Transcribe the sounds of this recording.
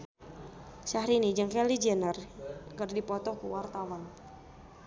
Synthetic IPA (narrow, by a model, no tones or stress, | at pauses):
ʃahɾinid͡ʒəŋkɛlid͡ʒənərkərdipɔt̪ɔkṵwart̪awan